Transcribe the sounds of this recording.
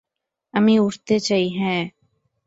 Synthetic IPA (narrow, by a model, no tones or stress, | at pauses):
əmĩʊɾt̪et͡ʃaiɦɛ̃ː